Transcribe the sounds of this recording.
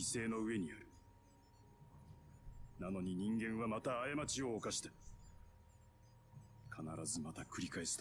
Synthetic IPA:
ise̞ːno̞ɯ̟e̞ɲ̟ijoɾɯ̟ | nano̞ɲ̟iɲ̟ĩŋɡẽ̞ɰ̃βamat̪aːamat͡ɕio̞ːkaɕi̥t̪ḁ | kʰanaɾazɨmat̪akɯ̟ɾʲikaesɨ̥t̪

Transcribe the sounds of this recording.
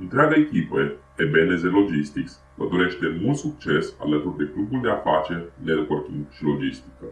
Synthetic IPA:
ɨnt̪ɾead̪eːkʲiped̪ebenezelo̞d͡ʒist̪iksʲ | vəd̪oɾeʃt̪emult̪suk̚t͡ʃesa̰lət̪urd̪e̞klubuld̪eafat͡ʃerʲled̪ukort̪iŋʃilo̞d͡ʒist̪i̥kə

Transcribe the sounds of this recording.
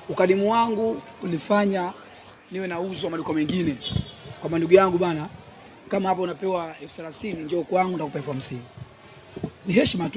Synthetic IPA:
ukalimuwaŋɡu | ulifaɲa | niwɛnauzɔamaɗukamɛŋɡinɛkwamanduɡujaŋɡuɓana | kamahap̬aunapɛwaɛfu̥θɛlaθiniɲd͡ʒɛaukwaŋɡunakupaɛfuam̩siŋɡu | nihɛʃmat

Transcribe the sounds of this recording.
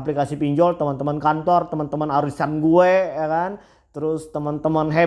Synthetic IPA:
aplikasipiɲd͡ʒɔlt̪əmənt̪əmənkant̪ɔrt̪əmənt̪əmənaɾisanɡuejakan | t̪əɾʊst̪əmənt̪əmənɦe

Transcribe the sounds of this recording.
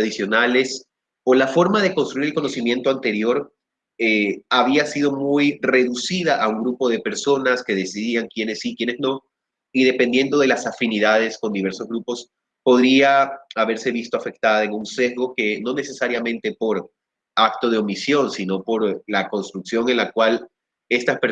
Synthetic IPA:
ðisjo̞nale̞s | o̞lafo̞ɾmaðe̞ko̞nst̪ɾuiɾelko̞no̞simje̞nt̪oant̪e̞ɾjo̞ɾ | eaβ̞iasið̞o̞mujre̞ðusið̞aʔauŋɡɾupo̞ð̞e̞pe̞ɾso̞naske̞ðe̞siðiaŋkjene̞sikjene̞znõ̞ | iðe̞pend̪je̞nd̪o̞ð̞e̞lasafiniðað̞e̞sko̞nd̪iβe̞ɾso̞zɣɾupo̞s | po̞ðɾiaaβe̞ɾse̞βist̪oafe̞k̚t̪aðae̞ŋunse̞zɣo̞ke̞no̞ne̞se̞saɾjamẽ̞nt̪e̞po̞ɾ | ak̚t̪o̞ð̞eo̞misjo̞nsino̞po̞ɾlako̞nst̪ɾuksjo̞ŋe̞nlakwal | e̞st̪ape

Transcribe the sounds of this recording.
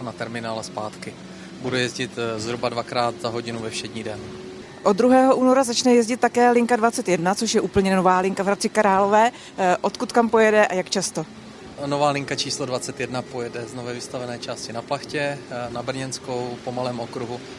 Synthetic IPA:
nat̪ɛɾmɪnaːlɛspaːt̪kɪ | budujɛzɟɪt̪zɦɾubadvakɾaːt̪zaɦo̞ɟɪnuvɛfʃɛdɲiːdɛn | ʔod̪d̪ɾuɦɛːɦo̞ʔuːno̞ɾazat͡ʃnɛjɛzɟɪt̪tːakɛːlɪŋkadvat͡sɛt̪jɛdnat͡soʃjɛʔuːpl̩ɲɛnovaːlɪŋkavɦɾat͡sɪkaɾaːlo̞vɛː | ʔo̞t̪kut̪kampojɛdɛʔajakt͡ʃast̪o | novaːlɪŋkat͡ʃiːslodvat͡sɛt̪jɛdnapojɛdɛznovɛːvɪst̪avɛnɛːt͡ʃaːscɪnaplaxcɛnabɾɲɛnskowpomalɛːmʔokɾuɦu

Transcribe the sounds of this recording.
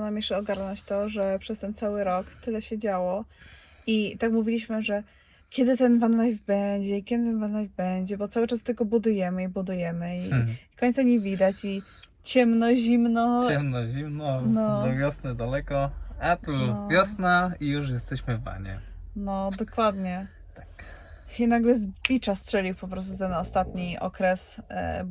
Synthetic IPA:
namʲjɛʂɛɔɡaɾnɔt͡ɕt̪ɔʐɛpʂɛst̪ɛnt̪sawɘɾɔkt̪ɘlɛɕɛd͡ʑawɔ | it̪akmuvʲilʲiɕmɘʐɛ | kʲɛd̪ɘt̪ɛnvanlajvbɛɲd͡ʑɛikʲɛd̪ɘt̪ɛnvanlajvbɛɲd͡ʑɛbɔt̪sawɘt͡ʂast̪ːɛlkɔbud̪ujɛmɘibud̪ujɛmɘikɔɲt̪saɲevʲid̪at͡ɕi | t͡ɕɛmnɔʑimnɔt͡ɕɛmnɔʑimnɔnɔd̪ɔvʲjɔsnɘd̪alɛkɔat̪uvjɔsnaijuʂ̬jɛst̪ɛɕmɘvːa̰ɲɛ̰nɔd̪ɔkwad̪ɲɛ | t̪ḁk | inaɡlɛzlʲit͡ʂastʂɛlʲixpɔpɾɔst̪ut̪ɛnɔst̪at̪ɲiʔɔ̰kɾɛs

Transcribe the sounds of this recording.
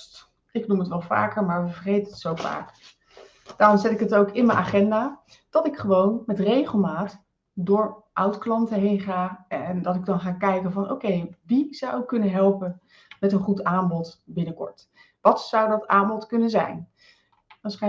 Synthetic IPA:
ɪknumətʋɛlˠva̰ːkəɹmaːɹʋəvəɹχejtənɦətsowfa̰ːk | d̥aːrɔmzɛtɪkətowkɪnmənʔaːχɛndaː | d̥ɑtɪkχəʋownmɛtrejχəlˠmaːt | dʊːɹʔʌwtklɑntəɦejnχaːndɑtɪɡ̚dɑnχaːkɛjkənvɑnʔo̰wkejʋizɑwɪkːɵnənɦɛlˠpən | mɛtənχutaːmbɔtbɪnəkɔ̰ɹt | ʋɑtsʌwdɑtaːmbɔtkɵnənzɛ̰jn | ʋasχɛ

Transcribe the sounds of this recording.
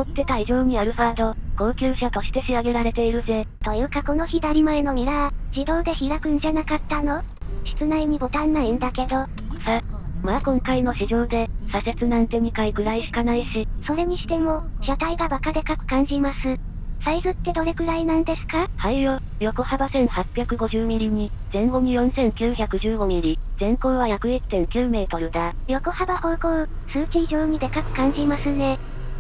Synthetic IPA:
mot̪ːe̞t̪aiʑo̞ːɲ̟iaɾɯ̟ɸaːd̪o̞ko̞ːkʲɨːɕat̪o̞ɕi̥t̪e̞ɕiaɡe̞ɾaɾe̞t̪e̞iɾɯ̟ze̞t̪o̞jɯ̟ːkako̞no̞çid̪aɾʲimaeno̞ɲ̟iɾaʑ̥id̪o̞ːd̪e̞çiɾakɯ̟n̟d͡ʑanakat̪ːano̞ɕi̥t͡sɨnaiɲ̟ibo̞t̪ãnːaĩnd̪ake̞d̪o̞ | samakõ̞ŋkaino̞ɕiʑo̞ːd̪e̞sase̞t͡sɨnãnt̪e̞ɲ̟ikaikɯ̟ɾaiɕi̥kanaiɕiso̞ɾe̞ɲ̟iɕi̥t̪e̞mo̞ɕat̪aiɡabakad̪e̞kakɯ̟̥kãɲ̟d͡ʑimasɨ | saizɨt̪ːe̞d̪o̞ɾe̞ɡɯ̟ɾainãnd̪e̞sɨ̥kahaijo | jo̞ko̞habasẽ̞ɰ̃hapʲjakɯ̟ɡo̞ʑɨːmʲiɾʲiɲ̟izẽ̞ŋɡo̞ɲijõ̞sẽ̞ŋkʲɨːçʲakɯ̟ʑɨːɡo̞ɲiɾʲizẽ̞ŋko̞ːβaçjakɯ̟it̪ːẽ̞ŋkʲɨːme̞ːt̪o̞ɾɯ̟d̪ajo̞ko̞habaho̞ːkoɯ | sɨːkʲiːʑo̞ːɲ̟id̪e̞kakɯ̟̥kãɲ̟d͡ʑimasɨne̞

